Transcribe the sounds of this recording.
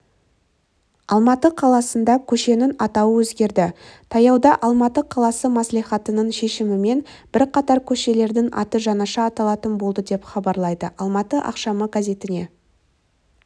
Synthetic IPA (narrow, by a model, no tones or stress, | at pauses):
ɑlˠmɑt̪əqʰɑlˠɑsənd̪ɑkʲʰɵʃe̞nɪnɑt̪ɑwəwɵzɡʲe̞ɾd̪ɪt̪ʰɑjɑwd̪ɑʔɑlˠmɑt̪əqʰɑlˠɑsəmɑsliχɑt̪ənəɴʃe̞ʃɪmɪme̞nb̥ɪɾqʰɑt̪ɑɾkʲʰɵʃe̞le̞ɾd̪ɪŋʔɑ̰t̪əʒɑnɑʃɑːt̪ɑlˠɑt̪ənbo̞lˠd̪əd̪e̞pχɑbɑɾlˠɑjd̪əʔɑlˠmɑt̪əʔɑ̰qʃɑməɡazʲe̞t̪ɪne̞